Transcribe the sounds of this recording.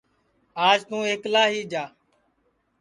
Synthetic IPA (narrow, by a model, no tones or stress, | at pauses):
aːd͡ʒt̪ũːeːklaːɦiːd͡ʒaː